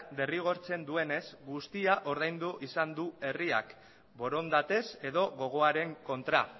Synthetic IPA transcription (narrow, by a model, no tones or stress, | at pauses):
d̪e̞riɣ̞o̞ɾt͡se̞nd̪ue̞ne̞zɡust̪iaʔo̞ɾð̞ajnd̪uʔisand̪ue̞ria̰k | bo̞ɾo̞nd̪at̪e̞se̞ðo̞ɣo̞ɣ̞o̞aɾe̞ŋko̞nt̪ɾa̰